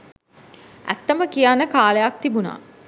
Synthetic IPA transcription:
æ̰t̪ːəməkijanːəkaːlejak̚t̪ibuna̰ː

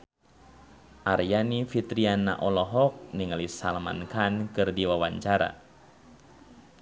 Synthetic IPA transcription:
ʔarjanifit̪ɾiana̰ʔɔlɔɦɔk̚niŋalisalma̰nkankɨrdiwawaɲt͡ʃaɾa̰

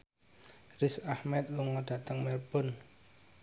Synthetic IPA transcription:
rɪsahmɛt̪̚luŋɔɖ̥ä̤t̪əŋmɛrpʊn

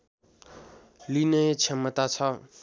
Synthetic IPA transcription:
linʌjt͡sʰemʌt̪at͡sʰʌ

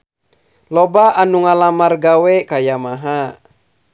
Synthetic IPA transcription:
lɔbaʔanuŋalamarɡawɛkajamaɦa

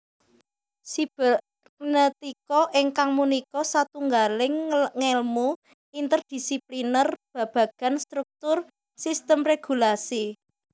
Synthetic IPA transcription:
sib̥əl | nət̪ikɔʔɪŋkaŋmunikɔsat̪uŋɡalɪŋːelmu | int̪ərd̪̥i̤siplinərb̥a̤b̥ä̤ɡ̥a̤nst̪ɾuk̚t̪ʊr | sist̪əmreɡ̥ṳlasi

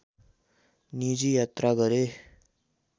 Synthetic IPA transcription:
nid͡ʒijat̪ɾaɡʌɾe

